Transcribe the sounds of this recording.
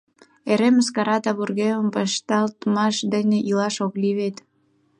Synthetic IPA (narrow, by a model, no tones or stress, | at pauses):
eɾeməskɑɾɑt̪ɑβurɣeməmbɑʃt̪ɑlt̪mɑʃd̪əneʔilɑʃokliβet̪